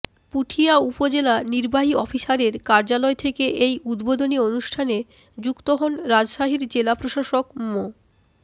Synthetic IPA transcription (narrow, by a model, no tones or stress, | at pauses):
puʈʰiaupod͡ʑelaniɾbaɦiɔfiʃaɾeɾkaɾd͡ʑalɔet̪ʰekeʔejud̪bod̪onionuʃʈʰane | d͡ʑukt̪oɦonɾad͡ʑʃaɦiɾd͡ʑelapɾoʃaʃokmo